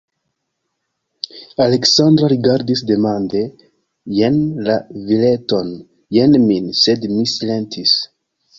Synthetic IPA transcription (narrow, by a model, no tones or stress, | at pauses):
aleksandɾoɾiɡaɾdisde̞mande̞ | jenlavile̞to̞n | jenminse̞dmisile̞ntʰis